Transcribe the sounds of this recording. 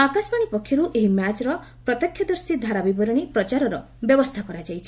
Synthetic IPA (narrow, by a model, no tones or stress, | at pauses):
akasbaɽ̃ipɔkʰːjɔɾuʔeɦimat͡ʃɾɔ | pɾɔt̪ɔkʰjɔd̪ɔɾsid̪ʱaɾabibɔɾɔɽ̃ipɾɔt͡ʃaɾɔɾɔ | bjɔbɔst̪ʰakɔɾad͡ʒajt͡ʃʰi̥